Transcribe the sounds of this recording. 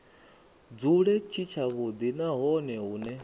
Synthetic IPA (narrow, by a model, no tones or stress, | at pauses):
d͡zuɺɛt͡ʃʰit͡ʃʰaβud̪inaɦɔnɛɦuːnɛ